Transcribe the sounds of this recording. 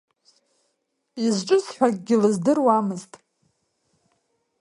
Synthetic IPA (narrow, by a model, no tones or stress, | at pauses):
izʈ͡ʂʼɨsħʷᶣaɡ̚ʲɡʲɪlɨzdɨrwamɨztʼ